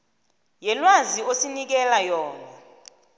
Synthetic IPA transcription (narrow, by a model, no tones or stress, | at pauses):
jɛlwaziosinik̬ɛlajɔːna